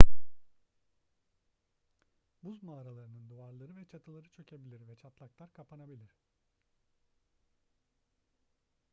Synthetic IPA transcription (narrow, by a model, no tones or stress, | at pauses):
buzmaːɾalˠaɾɯnɯnd̪uvaɾlˠaɾɯvɛt͡ʃʰat̪ʰɯlˠaɾɯt͡ʃʰø̞cʰebilʲiɾvɛt͡ʃʰat̪lˠaklˠaɾkʰapʰanabilʲiɾ̥